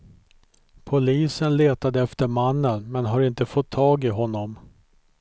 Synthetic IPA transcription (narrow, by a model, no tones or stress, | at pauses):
pʰʊliːsənleːt̪ad̪əɛft̪əɾmanːənmɛnɦaɾɪnt̪əfɔt̪ʰːɑːɡɪɦɔnːɔm